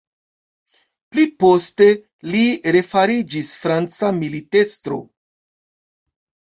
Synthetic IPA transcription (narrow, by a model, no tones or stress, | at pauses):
plipo̞ste̞ | liɾe̞faɾid͡ʒisfɾant͡samilite̞stɾo̞̰